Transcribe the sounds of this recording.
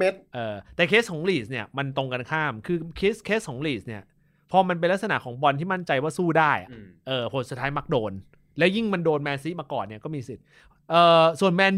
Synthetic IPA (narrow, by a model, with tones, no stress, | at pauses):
e˦˥t̪̚ʔɤː˧t̪ɛː˨˩kʰe˦˥s̚kʰɔː˩˦ŋliː˨˩s̚ni˥˩ɐma˧nt̪o˧ŋka˧nkʰaː˥˩mkʰɯː˧kʰeː˦˥skʰeː˦˥kʰɔː˩˦ŋliː˨˩sni˥˩ɐ | pʰɔː˧ma˧np̬e˧nla˥k̚sa˧na̰˨˩ʔkʰɔː˩˦ŋbɔ˧nt̪ʰiː˥˩ma˥˩nt͡ɕa˧jwaː˥˩suː˥˩daː˥˩jʔa̰˨˩ʔʔɤː˨˩pʰo˨˦nst̪ʰːaː˦˥jma˦˥k̚doː˧n | lɛ˦˥wji˥˩ŋma˧ndoː˧nmɛː˧nsi˦˥maː˧kɔː˨˩nːi˧˥ɐkɔː˥˩miː˧si˨˩t̪̚ | ʔɤː˨˩su˨˩ənmɛː˧n